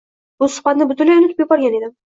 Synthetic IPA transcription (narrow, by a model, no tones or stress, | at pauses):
bʊsʊ̥χbat̪nɪbʊt̪ʊnlːajʊnʊt̪ʰɪpjʊbɒɾɡʲaned̪ɪ